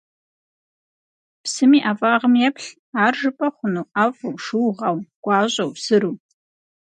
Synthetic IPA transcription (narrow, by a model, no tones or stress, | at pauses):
psɨmiːʔaːvʼaːʁəmjɛpʰɬ | aːrʐɨpʼɐχʷʊnuwaːfʼɨwʂɨwʁɑwɡ̥ʷʼɑːɕʼɐwsɨɾuː